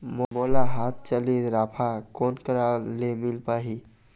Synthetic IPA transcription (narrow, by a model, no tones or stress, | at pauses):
momolaɦat̪̚ʰt͡ʃəliɾaːpʰakonkəɾalemilpaːɦi